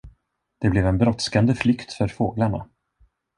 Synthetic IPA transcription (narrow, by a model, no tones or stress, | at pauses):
d̪̥ɛblɛvɛnbɾɔt̪skand̪əflʏkt̪fœɾfoːɡlaɳa̰